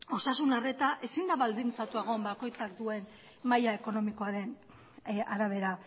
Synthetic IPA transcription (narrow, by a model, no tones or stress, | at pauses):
o̞sasunare̞t̪aʔe̞sind̪aβald̪int͡sat̪ueɣ̞o̞mbako̞jt͡sakd̪ue̞n | majae̞ko̞no̞miko̞aɾe̞n | aɾaβ̞e̞ɾa